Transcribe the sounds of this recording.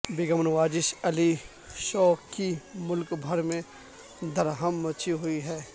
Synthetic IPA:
bɪɡəmnʋaːd͡ʒɪʃɐli | ʃɔːkimʊlkbʱɐɾmẽ | d̪ʱɐɾɦəmːɐt͡ʃʰiɦʊiɦɛː

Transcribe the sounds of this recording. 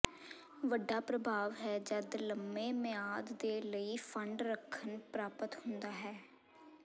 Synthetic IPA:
ʋəɖːaːpɾəbʱaːʋɦɛːd͡ʒəd̪ləmːeːmɪaːd̪ːeːləiːfʰəɳɖɾəkʰːənpɾaːpət̪hʊ̃nd̪aːɦɛː

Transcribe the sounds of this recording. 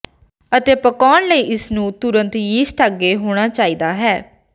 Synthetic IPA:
ət̪eːpəkaːɳləiːʔɪsnũːt̪ʊɾə̃nt̪jiːsʈʰaɡeːɦoːɽ̃aːt͡ʃaːiːd̪aːɦɛː

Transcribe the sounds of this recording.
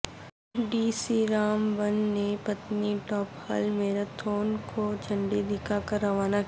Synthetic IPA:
ɖiːsiɾaːmbənːepɐt̪niʈɔːphɐ̰lmeːɾat̪ʰoːnkod͡ʒʰʱɐ̃ɳɖid̪ɪkʰakɐɾːɐʋaːna

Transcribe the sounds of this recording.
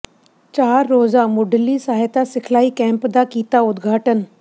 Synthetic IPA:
t͡ʃaːɾːoːzamʊɖəlisaːɦet̪asɪkʰlaːikɛ̃ːmpd̪akiːt̪aʊd̪ɡʱaːʈən

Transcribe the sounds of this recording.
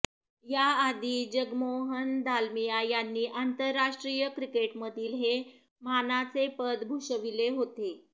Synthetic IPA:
jaad̪ʱiːd͡ʑəɡmoɦənd̪ʱalmijajanːiːʔant̪əɾːaʂʈɾijəkɾikeʈməd̪ʱiːlɦe | manat͡sepəd̪bʱuʂəʋileɦot̪e

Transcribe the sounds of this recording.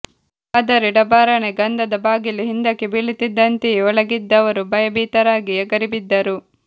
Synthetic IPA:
ɐd̪ɐɾiɽɐbaːɾɐɳeɡɐnd̪ɐd̪ɐbaːɡiliɦind̪ɐkːebiɭit̪id̪ːɐnt̪eɔɭɐɡid̪ːɐʋɐɾubɐjɐbiːt̪ɐɾaːɡiɛɡɐɾibid̪ːɐɾu

